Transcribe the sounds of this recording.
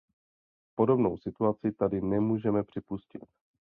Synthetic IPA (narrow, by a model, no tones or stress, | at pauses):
po̞do̞bnowsɪt̪uat͡sɪt̪adɪnɛmuːʒɛmɛpr̥ɪpuscɪt̪̚